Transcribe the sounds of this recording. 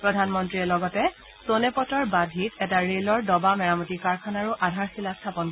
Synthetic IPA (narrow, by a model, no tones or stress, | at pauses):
pɹɔdʱanmɔntɹiɛlɔɡɔtɛ | sonɛpɔtɔɹbadʱitɛtaɹelɔɹdɔbamɛɹamɔtikaɹkʰanaɹuʔadʱaɹsilastʰapɔn